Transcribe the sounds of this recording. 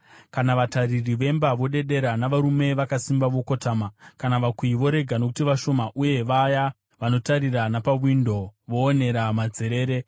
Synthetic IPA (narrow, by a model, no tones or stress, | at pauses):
kanaʋataririʋe̞mbaʋo̞ɗe̞ɗe̞ɾanaʋaɾume̞ʋakasimbaʋo̞ko̞taːmakanaʋakwiiʋo̞ɾe̞ɡʱano̞k̬utiʋaʃo̞maʔuje̞ʋaja | ʋano̞taɾiranapaʋwindo̞ʋo̞ːne̞ɾamad͡ze̞ɾe̞ːɾe̞